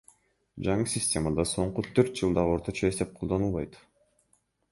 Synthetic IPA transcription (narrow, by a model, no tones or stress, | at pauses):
d͡ʒɑɴɯsʲɪsʲtʲe̞mad̪ɑso̞ɴqut̪ʰøɾt̪̚d͡ʒɯlˠd̪ɑʁɯo̞ɾt̪ot͡ʃɑe̞st̪e̞p̚qʰo̞lˠd̪o̞nulˠβɑjt̪